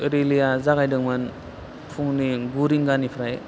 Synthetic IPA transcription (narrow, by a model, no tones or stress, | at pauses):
ɾilijazaɡajdɯŋmɯn | pʰuŋniɡuɾiŋɡanipʰɾaj